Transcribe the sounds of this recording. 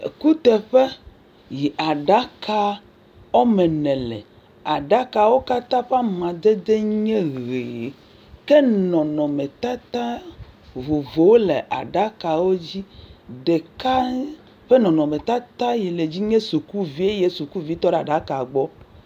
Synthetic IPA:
ḛ˨ku˦t̪ɛ˨ɸe˦ | ji˨ʔa˨ɖa˦ka˦ | wo˦mẽ˨nɛ̃˨lɛ̰˨ | a˨ɖa˦ka˨wo˦ka˦t̪ã˦ɸa˦mã˨d̪e˦d̪e˦ɲẽ˦ɣe˨ | ke˦nɔ̃˨nɔ̃˨mẽ˨t̪a˦t̪ã˦vo˨vo˨wo˦le˨ʔa̰˨ɖa˦ka˨wo˦d͡ʑi˦ɖe˨ka˦ | ɸe˦nɔ̃˨nɔ̃˨mẽ˨t̪a˦t̪ã˦je˨le˨d͡ʑi˦ɲẽ˦su˨ku˦vi˦e˦je˦su˨ku˦vi˦t̪ɔ˦ɖe˨a˨ɖa˨˦ka˨ɡ͡bɔ˦

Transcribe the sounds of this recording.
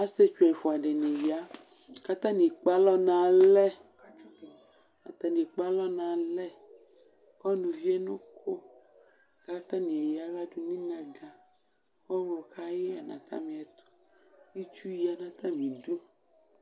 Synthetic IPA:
a˦se˦t͡ʃu˨ɛ˨fɔ˨a˨ɖe˨ne˨ji˨a˦ | ka˦t̪ã˦nĩ˨k͡pa˦lɔ˦nã˨lɛ˦ | a̰˨t̪ã˨nĩ˨k͡pa˦lɔ˦nã˨lɛ˦ | kɔ˦nũ˨vi˦ɛ˦nõ˦kʰo˦ | ka˦t̪ã˦nĩ˨e˨ja˦la˦du˦nĩ˦nã˨ɡã˨ | kɔ˦wɔ˨ka˦jɛ˦a˨nã̰˨t̪ʰã̰˦mĩ˨ɛ˨t̪o̥˦ | i˦t͡ʃu˦ji˦a˨nã˨t̪ã˦mĩ˨du˦

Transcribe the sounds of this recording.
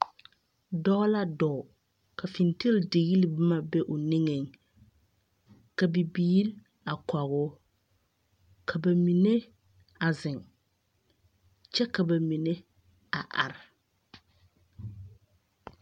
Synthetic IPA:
dɔ˦la˦dɔː˨ | ka˨fɪ˨nte˦lde˨ɣi˦li˦bɪ˦ma˨bɛ˦ʔʊ˨nɪ˦ŋe˨ŋ | ka˨bi˨biː˦l | a˨ka˨ɣʊ˦ | kʰa˨ba˨mi˨ne˦ | a˨zɪ˨ŋ | t͡ʃɛ˦ka˨ba˨mi˨ne˦ | a˨ʔa˨ɾɪ˨

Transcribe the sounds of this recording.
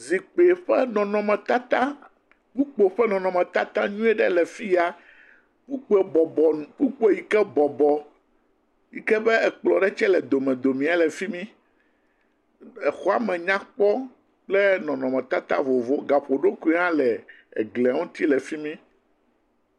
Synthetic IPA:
zi˨k͡pe˨ɸɛ˦nɔ̃˨nɔ̃˨mɛ̃˨t̪a˦t̪ã˦ | ku˦k͡po˨ɸɛ˦nɔ̃˨nɔ̃˨mɛ̃˨t̪a˦t̪ã˦ɲũ˦ɛ˦ɖɛ˦lɛ˨fi˦ja˨ | ku˦k͡pe˨bɔ˨bɔ˨nũ˨ku˦k͡pe˦ji˨kɛ˦bɔ˨bɔ˨ | ji˨kɛ˦bɛ˦ɛ˨k͡plɔ˨ɖɛ˦t͡ʃɛ˦lɛ˨d̪o˨mɛ̃˨d̪o˨mĩ˨a˨lɛ˨fi˦mĩ˦ | ɛ˨xɔ˦a˨mɛ̃˨ɲã˦k͡pɔ˦ | k͡plɛ˦nɔ̃˨nɔ̃˨mɛ̃˨t̪a˦t̪a̰˦vo˨vo˦ɡa˨ɸo˨ɖo˦ku˦ã˦lɛ˨ | ɛ̰˨ɡlɛ˨a˨˦ŋũ˦t̪i˦lɛ˨fi˦mĩ˦

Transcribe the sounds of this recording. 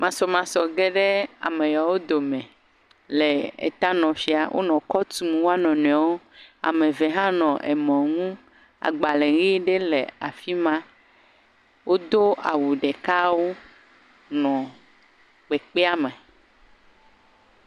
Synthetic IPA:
mã˨sɔ˨mã˨sɔ˨ɡe˦ɖe˦a̰˨mẽ˨ja˨wo˦d̪o˨mɛ̃˨ | le˨ḛ˨t̪a˦nɔ̃˨fi˨a̰˨wʔo̰˦nɔ̃˨kɔ˦t̪u˦m˨wo˦a˦nɔ̃˨nɛ̃˨˦wo˦ | a̰˨mẽ˨ve˨ɦã˦nɔ̃˨ʔḛ˨mɔ̃˨ŋũ˦ | a̰˨ɡ͡ba˨le˨ɣi˦ɖe˦le˨a˨fi˦mã˦ | wo˦d̪o˦a̰˨wu˨ɖe˨ka˦wo˦ | nɔ̃˨ | k͡pe˨k͡pe˦a˦mẽ˨

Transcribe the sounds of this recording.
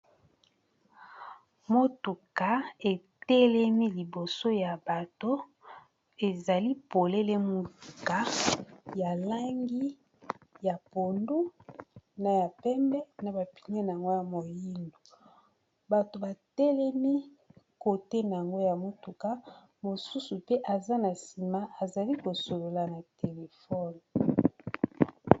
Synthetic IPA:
mo˦tu˨ka˨e˨ | tɛ˦lɛ˦mi˦li˨bo˨so˦ja˨ba˨to˦ | e˨za˨li˦po˨le˦le˦mo˨tu˨ka˦ja˨la˦ŋɡi˦ | ja˨po˨ndu˦ | na˨ja˨pɛ˦mbɛ˦na˨ba˨pi̥˨ɲe˦na˨ŋɡo˦ja˨mo˨ji˦ndo˨ | ba˨to˨ba˨tɛ˦lɛ˦mi˦ | ko˨te˦na˨ja˨ŋɡo˦ja˨mo˨tu˨ka˦ | mo˨su˦su˨pe˦ʔa˨za˦na˨si˨ma˦a˨za˨li˦ko˨so˨lo˨la˨na˨te˨le˨fɔ˦n˨

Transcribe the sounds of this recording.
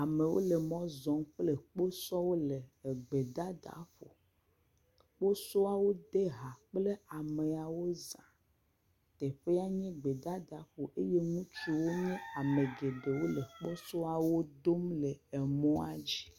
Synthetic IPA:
a˨me˨wo̰˦le˨mɔ̃˦zɔ̃˨˦mk͡ple˦k͡po˦sɔ˦wo˦le˨ɡ͡be˨d̪a˦d̪a̰˨˦ɸo˨ | k͡po˦so˦a˨wo˦d̪e˦ɦa˨k͡ple˦a˨me˨a˨wo˦zã˨ | t̪ɛ˨ɸe˦a˦ɲɛ̃˦ɡ͡be˨d̪a˦d̪a˨˦ɸo˨ʔe˦je˦ŋũ˦t͡ʃi˦wo˦ɲɛ̃˦a˨mẽ˨ɡe˨ɖe˨wo˦le˨k͡pɔ˦so˦a˨wo˦d̪o˦mlɛ˨ɛ˨mɔ̃˦a˦d͡ʑi˦

